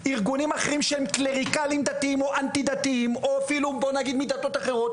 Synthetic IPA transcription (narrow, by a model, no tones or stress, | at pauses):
iʁɡunimaχeʁimʃehemkleʁikalimd̪at̪iimo̞ʔant̪id̪at̪iimo̞afilubo̞naɡid̪mid̪at̪o̞t̪aχeʁo̞t̪